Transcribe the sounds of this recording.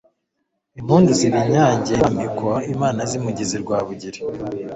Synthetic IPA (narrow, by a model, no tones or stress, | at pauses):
imhuːnduziβiɲaːɲɟambikwaimaːnazimuɟiziɾɡwaːβuɟiɾi